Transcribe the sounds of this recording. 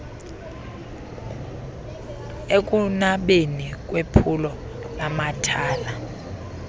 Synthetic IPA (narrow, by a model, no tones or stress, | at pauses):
ek̬ʼunaɓenik̬ʼwepʰulɔ | lamatʰaːla